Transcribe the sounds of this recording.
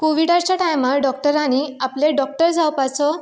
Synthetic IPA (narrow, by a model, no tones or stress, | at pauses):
koʋiɽaɾt͡ɕjaʈajmaɾɖɔk̚ʈəɾaɽ̃iapleɖɔk̚ʈəɾd͡zawpat͡sɔ